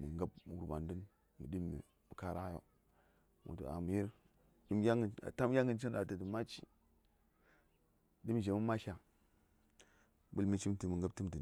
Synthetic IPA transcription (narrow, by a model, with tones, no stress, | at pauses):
mu˨ŋɡa˦bm˨wu˦ba˨ndə˦n | mu˨di˦mḭ˨ | mu˨ka˦ɾa˦jo̰˦ | mo̰˨to̰˨a̰˨mu˨ji˦ɾ | i˦m˦ja˦ŋ˨a̰˨ta˦m˦jʲa˦ŋɡə˨nt͡ʃi˦n˦ɗa˨tə˨də˨ma˦t͡ʃḭ˦ | di˦m˨ʒe˨mu˦ma˦ʃa˨ | bu˦lmi˦t͡ʃi˦mti˨mə˨ŋɡa˦b̚ti˦mtə˨n